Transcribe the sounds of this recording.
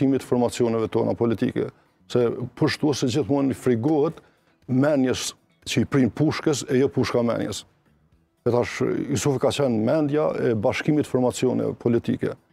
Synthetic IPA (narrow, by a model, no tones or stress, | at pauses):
imit̪fɔɾmat͡siɔnɛvɛt̪ɔna̰pɔlit̪ḭkɛ̰ | sɛpəɾʃt̪uɛsɛd͡ʑiθmunifɾiɡɔɦɛt̪ | mɛnjəs | t͡ɕəipɾinpuʃkəsɛjɔpuʃkamɛ̰njɛ̰s | ɛt̪aʃisufkat͡ɕɛnmɛnd̪jaɛbaʃkimit̪fɔɾmat͡sjɔnɛ̰pʰɔlit̪ḭkɛ̰